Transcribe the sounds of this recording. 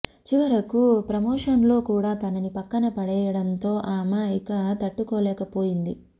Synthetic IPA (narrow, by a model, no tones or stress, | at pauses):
t͡ʃiʋɐɾɐkupɾɐmoːʂɐnlo̞ːkuːɽaːt̪ɐnɐnipɐkːɐnɐpɐɽɛːjɐɽɐnt̪o̞ːʔaːmaːikɐt̪ɐʈːukoːlɛːkɐpo̞ːjind̪ḭ